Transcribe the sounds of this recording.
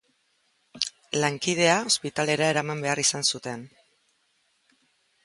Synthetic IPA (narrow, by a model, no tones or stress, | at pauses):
laŋkið̞e̞ao̞spit̪ale̞ɾae̞ɾamambe̞arisansut̪e̞n